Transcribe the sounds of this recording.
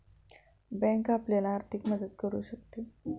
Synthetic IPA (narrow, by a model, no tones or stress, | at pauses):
bɛ̃ŋkapljalaːɾt̪ʰikməd̪əd̪kəɾṵɕək̚t̪e